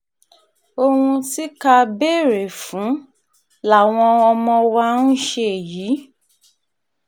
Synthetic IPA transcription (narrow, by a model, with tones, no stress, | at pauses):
o˧wũ˧ti˦ka˧be˦˨ɾe˨fũ˨˦ | la˦˨w̃ɔ̃˧ɔ˧mɔ̃˧wa˧nũ˦ʃe˧˨jiː˨˦